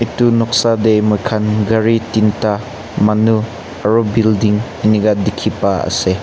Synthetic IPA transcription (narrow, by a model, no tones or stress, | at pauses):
itunɔk̚sadejmɔjkʰanɡɐɾitinta | manu | ɐɾɔbildiŋɐnikadikʰipaə̰se